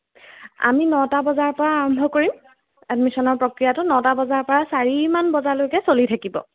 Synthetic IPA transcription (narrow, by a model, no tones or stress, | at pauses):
a̰minɔtabɔzaɹpɔɹaːɹɔmbʱɔkoɹim | ɛdmisɔnɔɹpɹokɹijatʊnɔtabɔzaɹpɔɹasaɹimanbɔzaɹlojkɛsolitʰakibɔ̰